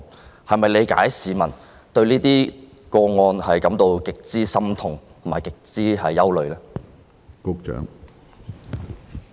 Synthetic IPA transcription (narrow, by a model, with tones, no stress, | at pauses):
hɐ˨jmɐ˨jle˨˧jka̰ː˨˥jsiː˨˧mɐ˨˩n | t̪ɵ˧ɥliː˥t̪iː˥ | kɔː˧ŋɔː˧nhɐ˨jkɐ˨˥mt̪o˧wkɪ˨k̚t͡siː˥sɐ˥mt̪ʰʊ˨˩ŋtt̪ʰʊ˨˩maː˨˩kɪ˨k̚t͡siː˥hɐ˨jːɐ˥wlɵ˨ɥlɛː˥ | kʊ˥k̚t͡ʃœ̰ː˨˥ŋ